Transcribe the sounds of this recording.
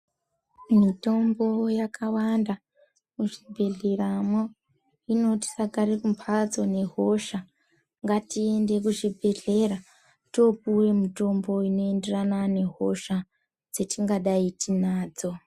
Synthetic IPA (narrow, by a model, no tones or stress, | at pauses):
mito̞mbo̞jakʰawanda | kuʐibʱe̞ɮeramo | ino̞ti̥saɡʱaɾekumpʰad͡zo̞ne̞ɦo̞ʃa | ŋɡatie̞nde̞k̬uʐibʱe̞ɮe̞ra | to̞puwe̞muto̞mbo̞ino̞e̞nderanane̞ɦo̞ʃa | d͡ze̞tiŋɡaɗaitinaːd͡zo̞